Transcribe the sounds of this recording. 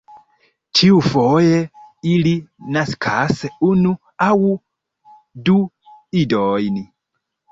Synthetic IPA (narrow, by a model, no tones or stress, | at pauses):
tʰiufojeilinaskʰaseunu | awu | du | idojni